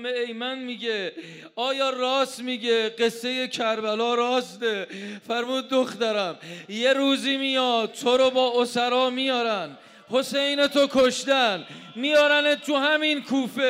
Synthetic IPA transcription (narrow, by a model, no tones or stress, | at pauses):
meejmænmiːɟe | ɒːjɒːɾɒːsmiɟeɢe̞sːe̞je̞kʰæɾbælɒːɾɒːsd̪efæɾmuːd̪̚ːoxt̪æɾæmje̞ɾuːziːmijɒːd̪̚t̪ʰoɾobɒːʔosæɾɒːmijɒːɾæn | ho̞sejne̞t̪ʰokʰoʃd̪æn | mijɒːɾænet̪ʰuhæminkʰuːfe